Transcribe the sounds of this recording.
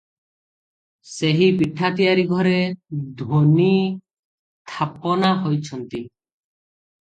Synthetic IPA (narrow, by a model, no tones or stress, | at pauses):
seɦipiʈʰat̪ijaɾiɡʱɔɾed̪ʱwoni | s | t̪ʰapɔnaɦojt͡ʃʰɔnt̪i